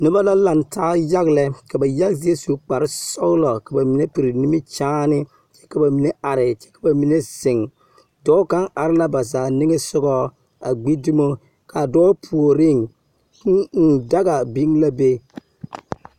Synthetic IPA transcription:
nʊ˦ba˦la˦la˨ntʰaː˦ja˦ɣlɛ˦ka˨ba˨ja˦ɡzi˦e˦su˨k͡pa˨ɾɪ˦sɔ˦lɔ˨ka˨ba˨mi˨˦ne˦pi˨ɾɪ˨ni˦mi˦t͡ʃaː˦nɪ˦ | t͡ʃɛ̥˦ka˨ba˨mi˨nɛ˦ʔa˨ɾɪ˨t͡ʃɛ̥˦kḁ˨ba˨mi˨ne˦z̥ɪ˨ŋ | dɔː˦ka˦ŋa˨ɾɪ˦la˦ba˨zaː˨nɪ˦ŋɛ˦sʊ˦ɡɔ˦ | a̰˨ɡ͡bi˦di˦mo˦ | ka˨dɔː˦pʰu˨o˨ɾɪ˦˨ŋ˦˨ | da˦ɡa˨bi˦ŋla˦be˦

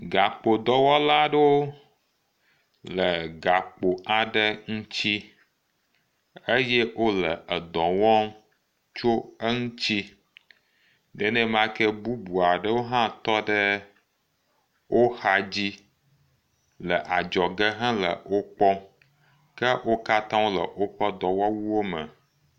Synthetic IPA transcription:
ɡa˨k͡po˨d̪ɔ˦wɔ˦la˦ɖə˦wo˦ | lə˨ɡa˨k͡po˨ʔa˨ɖə˦ŋũ˦t͡ɕi˦ | e˦je˦wo˦lə˨ə˨d̪ɔ̃˨wɔ̃˦m | t͡ʃo˦ə˦ŋũ˦t͡ɕi˦ | ɖɛ˨nɛ̃˦m˦ã˦kɛ˦bu˦bu˨a˨ɖə˦wo˦ɦã˦t̪ɔ˦ɖə˦ | wʔo˦xa˨d͡ʑi˦ | lə˨ʔa˨d͡ʒɔ˨ɡə˦ɦã˦lə̰˨wo˦k͡pɔ˦ | kə˦wʔo˦ka˦t̪ã˦wo˦lə̰˨wo˦ɸə˦d̪ɔ̃˨wɔ˦wu˦wo˦mə̰˨

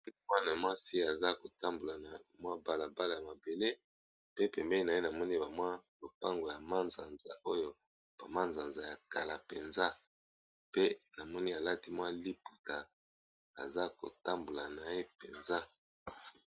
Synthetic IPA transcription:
mwa˦n˨a˨mwa˦si˦a˨za˦ko˨ta˦mbo˨la˨na˨mwa˦ba˨la˨ba˦la˨ja˨ma˨be˨le˦ | pe˦pɛ˨mbɛ˦li˦na˨e˦na˨mɔ˦ni˦ba˨mwa˦lo˨pa˦ŋɡo˨ja˨ma˦nza˨nza˨ʔo˦jo˦ | b̥a˨ma˦nza˨nza˨ja˨ka˨la˨pe˨nza˦ | pe˦na˨mɔ˦ni˦a˨la˦ti˦mwa˦li˦pu˨ta˨ | a̰˨za˦ko̰˨ta˦mbo˨la˨na˨je˦pe˨nza˦

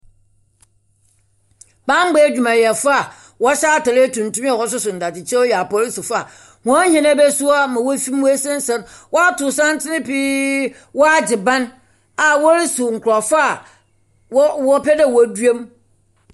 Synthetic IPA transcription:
bã˦ŋ͡m̩˦ɡ͡bɛ˦˨d͡ʑᶣu˨mã˨jɛ˨fa˦a˨ | wɔ˦ɕa˦a˦˨ta˨ɾe˦tʰũ˨n˨tũ˦m̃˦ɛ˨hɔ˦s̬ʊ˦sʊ̃˨n̩˨da˨tɪ˨t͡ɕʰɛ˦ɔ˦jɛ˨a˨pɔ˨ɾi˦sʊ˨fa˦˨ | hɔ̃˨˦hɛ̃˨nã˦bɛ˦su˦a˦mã˨wɔ˦fĩ˦m˦wɔ˦æ˦sɛ̃˦n̩˦sã˦nwɔ˦a˦tʰʊ˨sã˦n˦tʰɪ˦nɪ̃˦pi˦ | wɔ˦a˦d͡ʑɪ˨bã˦n | a˨wɔ˦ɾi˦sʊ˨ŋ̩˨kʰʊ˨ɾɔ˨fa˦˨˦ | wɔ˦pʰɛ˦dɛ˦˨wɔ˨du˦e˦m

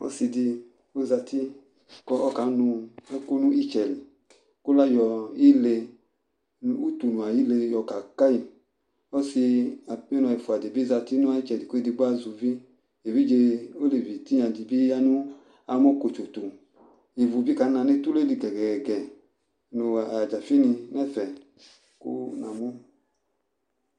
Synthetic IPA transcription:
ɔ̰˦si˧di˧ | o˦za˧ti˦ | kɔ˦ɔ˦ka˨˦nu˧ɛ˦ko˦nu˦i˦t͡ʃɛ˨l | ko˦la˦jɔ˧i˦le˧ | n˦u˦tu˨nu˨a˨ji˦le˧jɔ˧ka˨ka˦i˧˨ | ɔ˦si˧a˨˦ɔ˦nɔ˧i˨fu˨a˨di˨bi˦za˧ti˦nu˦a˧i˦t͡ʃɛ˨di˨ko˦i˦di˧ɡ͡ba˦zu˧vi˦ | e˨vi˦d͡ʒe˧o˦li˨vi˨ti˦ɲa˧di˨bi˦a˧nu˦ | a˧mɔ˦ko˨t͡ʃo˨tu˨ | i˨vu˨vi˦ka˨˦na˧˨ne˦tu˦le˦li˨ɡɛ˨ɡɛ˨ɡɛ˨ɡɛ˨ | no˨a˨d͡ʒa˨fi˦ni˧nɛ˦fɛ˨ | kṵ˦na˨mu˦

